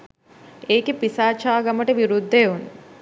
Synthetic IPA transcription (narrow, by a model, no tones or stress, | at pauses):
eːkipisaːt͡ʃaːɡɐməʈəʋiɾud̪ʱːeːun